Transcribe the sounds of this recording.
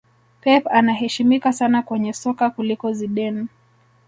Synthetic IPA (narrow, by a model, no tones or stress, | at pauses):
pɛpanaɦɛʃimikasanakwɛɲɛsɔkakulikɔziɗɛn